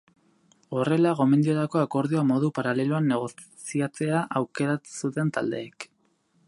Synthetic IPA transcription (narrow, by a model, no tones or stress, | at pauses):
o̞re̞laɣo̞me̞nd̪io̞t̪ako̞ako̞ɾð̞ioamo̞ðupaɾale̞loanːe̞ɣ̞o̞ | siat͡se̞aʔawke̞ɾasut̪e̞nt̪a̰ld̪e̞̰ːk